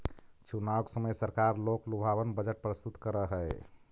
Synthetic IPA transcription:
t͡ʃunawksəməjsəɾkaɾloklubʱabənbəd͡ʒəʈ̚pɾəst̪ut̪kəɾəɦəj

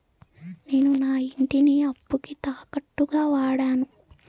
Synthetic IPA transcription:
ne̞ːnunaːiɳʈiniɐbːukit̪aːkɐʈːuɡaːʋaːɽaːnu

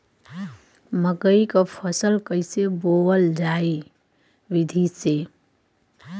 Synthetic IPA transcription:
məkəjkapʰəsəlkəɪsebowəld͡ʒae | ʋid̪ʱise

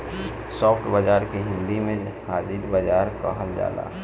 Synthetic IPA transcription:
sɔːpʰʈbəd͡ʒaːɾkeɦɪ̃nd̪imẽhaːd͡ʒiɾbəd͡ʒaːɾkəɦəld͡ʒa̰ːla̰

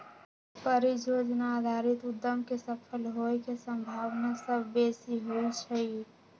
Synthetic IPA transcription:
pəɾid͡ʒod͡ʒnaːd̪ʱaːɾɪt̪ʊd̪ːəmkesəpʰəlɦoekesəmbʱaːʋnasəbʱːeːsiɦoit͡ʃʰəi

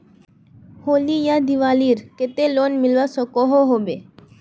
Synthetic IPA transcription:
holijad̪iʋaliɾket̪elonmilʋasɔkɔɦoɦobe

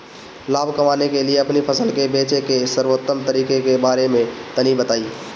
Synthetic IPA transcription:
laːbʱkəmaːnekelijeəpnipʰəsəlkebeːt͡ʃekesəɾʋoːt̪ːəmt̪əɾiːkekebaːɾemẽt̪ənibət̪aːi

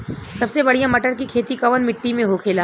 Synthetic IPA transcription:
sɐbsebɐɽ̤ijãmɐʈəɾkikʰeːt̪ikɐʋənmɪʈːimẽɦokʰeːlaː

